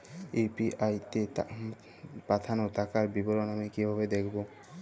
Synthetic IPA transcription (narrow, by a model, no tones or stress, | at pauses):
ipiʔajt̪e | pat̪ʰanot̪akaɾbiboɾonamikibʱaβed̪ekʰbo